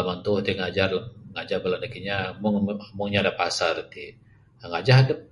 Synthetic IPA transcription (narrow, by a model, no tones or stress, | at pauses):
amant̪uht̪iŋad͡ʒarŋad͡ʒarbəlanakiɲamʊŋmuŋɲadapasart̪i | aŋad͡ʒaɦadəp̚